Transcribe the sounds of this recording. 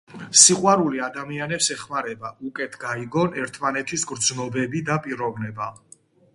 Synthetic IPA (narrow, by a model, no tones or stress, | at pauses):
siqʼwaɾuliad̪amianɛpsɛχmaɾɛbaukʼɛt̪ʰɡaiɡɔnɛɾt̪ʰmanɛt̪ʰisɡɾd̪znɔbɛbid̪apʼiɾɔvnɛba